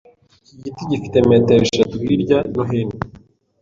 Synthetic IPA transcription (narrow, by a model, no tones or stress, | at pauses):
ciɟitiɟifi̥t̪emet̪eβiʃat̪uβiɾɟanoɦeni